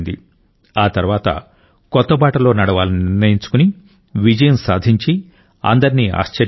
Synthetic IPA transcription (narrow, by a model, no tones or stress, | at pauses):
nd̪ḭ | aːt̪ɐɾuʋaːt̪ɐ̰ | kɔt̪ːɐbaːʈɐlo̞ːnɐɽɐʋaːlɐniniɾnɐjiɲt͡ʃu̥kuni | ʋid͡ʒɐjɐnsaːd̪ʱiɲt͡ʃi | ɐ̰nd̪ɐɾinia̰ːʃt͡ʃɐɾ